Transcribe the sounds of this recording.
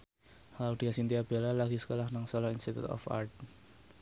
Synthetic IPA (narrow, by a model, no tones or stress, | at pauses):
haud̪̥ikasint̪iab̥e̤lalaɡ̥isə̥kolahnaŋsɔlɔinst̪it̪ṵt̪ɔ̰fa̰rt̪̚